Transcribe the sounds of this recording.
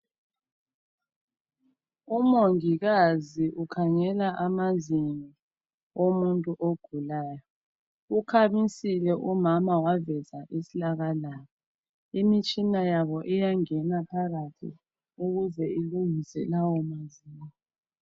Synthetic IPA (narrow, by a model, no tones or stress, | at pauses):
umoŋiɣaziʔukʰaŋɛlaʔamaziŋi | omuntʼuʔoɡ̥ʱulaːjɔ | ukʰamisilɛʔumamawavɛzaʔisilaɣalaːβɔ | imit͡ʃʼinajaβɔʔɛjaŋɛnapʰaɣatʰḭ | uɣuzɛiluŋisɛlawɔmaziːŋɔ